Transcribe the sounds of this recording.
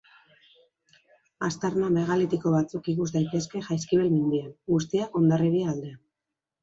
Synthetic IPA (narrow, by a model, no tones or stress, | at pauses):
ast̪aɾname̞ɣalit̪iko̞βat͡sukikuzd̪ajt̪e̞ske̞ʝajskiβelmind̪ianɡust̪iako̞nd̪ariɾiald̪ea